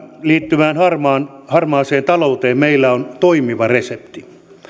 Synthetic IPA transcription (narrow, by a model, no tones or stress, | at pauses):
liːt̪ːymæːnhɑrmɑːnhɑrmɑːseːnt̪ɑlout̪eːmmeilːæont̪oimiʋɑresept̪i